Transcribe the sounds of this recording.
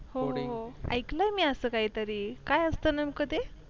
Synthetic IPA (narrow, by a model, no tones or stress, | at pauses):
hoɦoa̰jklamiːəsəːkaɦiːt̪əɾiːkajəst̪ənamkəd̪e